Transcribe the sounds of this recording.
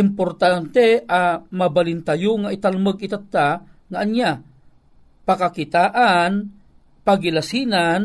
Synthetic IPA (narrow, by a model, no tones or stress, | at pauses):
ʔɪmpoɾt̪ant̪ɛamabalɪnt̪ajʊŋaɪt̪alməɡɪt̪at̪ːaŋaːnja | pakakɪt̪aːʔan | paɡɪlasinan